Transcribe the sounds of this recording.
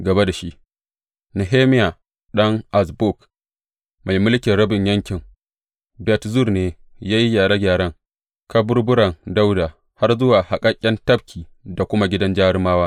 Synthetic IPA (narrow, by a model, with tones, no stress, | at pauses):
ɡɐ˨ba˦da˨ʃi˦ʔ | nɐ˨ɦeː˦mɪ˦ja˨ | ɗɐ˦ŋʔa˨sbʊ˦˨k | ma˨jmʊ˦lkʲɪ˨ɽɐ˦bɪ˨ɲjɐ˦ŋkʲɪ˨ŋ | bɛ˨tzu˦˨rneː˨ | jaː˦ji˦jaː˨ɽa˦ɡʲaː˨ɽɐ˦ŋ | ka˦bʊ˦ɾbʊ˦ɽɐ˨ŋda˦wda˨ | ha˦rzʊ˦waː˨ha˨kʼɐ˦kʲʼːɛ˦ntɐ˦b̚kʲʰiː˨ | da˨kʷʊ˦ma˦ɡʲɪ˦dɐ˦nd͡ʒaː˦maː˦waː˦